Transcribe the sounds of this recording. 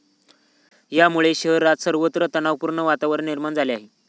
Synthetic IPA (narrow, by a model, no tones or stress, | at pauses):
jamuɭeɕəɦɾat̪səɾʋət̪ɾət̪ənaʋpuɾɳəʋat̪aʋəɾniɾmand͡zaleaɦe